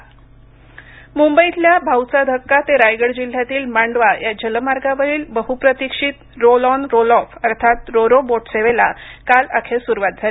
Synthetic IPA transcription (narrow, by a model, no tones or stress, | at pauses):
mumbəit̪ljabʱawt͡sad̪ʱəkːat̪eɾajɡəɽd͡ʑil̤ːjat̪iːlmaɳɖʋajad͡ʑələmaɾɡaʋəɾiːlbəɦupɾət̪ikʂiːt̪ɾolɔnɾolɔfəɾt̪ʰat̪ɾoɾoboʈseʋela̰kala̰kʰesuɾʋat̪̚d͡zʱaɾ